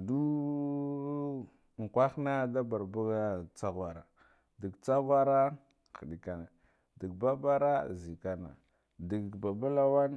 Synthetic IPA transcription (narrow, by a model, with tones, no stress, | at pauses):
du˦˨ | ŋ˨kʷa˦xna˦da˦ba˨ɾba˦ɡa˦t͡sa˦ɣa˨ɾa˨ | di˨ɡt͡sa˦ɣʷa˦ɾa˦ | xi˨ɗi˨ka˨na˨ | di˨ɡ̚ba˦ba˦ɾa˦zi˨ka˦na̰˨ | di˨ɡba˨ba˦la˦wa˦n